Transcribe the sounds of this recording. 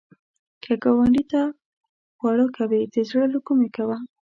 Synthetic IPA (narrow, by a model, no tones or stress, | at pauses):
kʰaɡawaɳɖit̪a | ɣwaɽəkʰawed̪̥əzɽəlokumekawa